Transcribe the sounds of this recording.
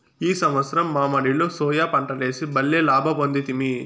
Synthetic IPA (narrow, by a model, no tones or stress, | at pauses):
iːsɐmʋɐt̪sɐɾɐmːaːmɐɽiloːsɔːjaːpɐɳʈɐle̞ːsibɐlːeːlaːbʱɐpond̪it̪imi